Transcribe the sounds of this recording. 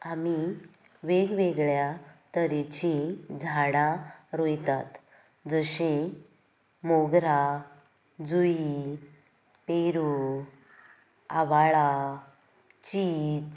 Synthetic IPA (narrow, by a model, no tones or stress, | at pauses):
ami | ʋeɡʋeɡɭjat̪əɾet͡ɕid͡zʱaɽaɾojt̪at̪ | d͡zəɕe | moɡɾa | d͡zui | peɾu | aʋaɭa | t͡ɕiːt͡s